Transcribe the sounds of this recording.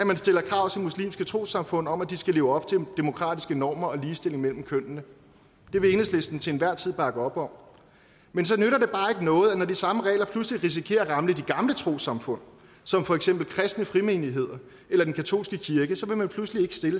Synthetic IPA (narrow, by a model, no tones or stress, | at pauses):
æmænsd̥e̝lɐkʰʁɑ̈ʊ̰t͡sʰe̝lmuslḭːmsɡ̥ət͡sʰʁo̝̰ːsɑ̈mfɔ̽n̰ɒ̽mæd̥isɡ̥æle̝ːʊɒ̽b̥̚t͡sʰe̝d̥emo̝kʰʁɑ̰̈ːd̥isɡ̥ənɒːmɐɒ̽liːsd̥e̝le̝ŋmel̰m̩kʰøn̰nə | d̥e̝ʋeeːnəsle̝sd̥n̩t͡sʰe̝nʋæɐ̰t͡sʰið̰ˠb̥ɑ̈ɡ̥əɒ̽b̥ɒ̽m | mensɒ̽nøɾɐd̥e̝b̥ɑ̈ːe̝ɡ̥ənɔ̽ːð̞̩ˠænɒdisɑ̈məʁɛ̰ːlɐpʰlusliʁis̬ikʰe̝̰ːɐʁɑ̈mləd̥iɡ̥ɑ̈mlət͡sʰʁo̝̰ːsɑ̈mfɔ̽n̰ | sɒ̽mfɒ̽eɡ̥sem̰b̥l̩kʰʁɛsd̥nəfʁime̝ːniɦe̝ð̞̰ˠɐ | elɐd̥enkʰæt͡sʰo̝̰ːlsɡ̥əkʰiɐɡ̥əsɒ̽ʋe̝mænpʰluslie̝ɡ̥ə̥sd̥e̝lə